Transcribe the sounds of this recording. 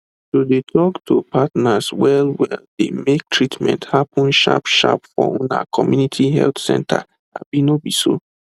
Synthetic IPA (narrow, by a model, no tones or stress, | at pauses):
sodetʰɔktʰopʰatnaswɛlwɛldemek̚tʰɹitmɛ̰̃nthapʊ̃nʃa̰pʃa̰pfɔ̰̃mna̰kʰɔmjunitʰiɦɛ̰ltsɛ̰̃ntʰa̰ | a̰binobiso